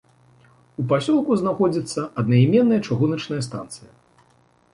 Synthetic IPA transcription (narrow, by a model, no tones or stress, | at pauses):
upasʲɔlˠkuznaxɔd͡zʲit̪sːɐɐd̪̚nɐimʲɛnːɐjɐt͡ʂuɣunɐt͡ʂnɐjɐst̪a̰nt̪sɨjɐ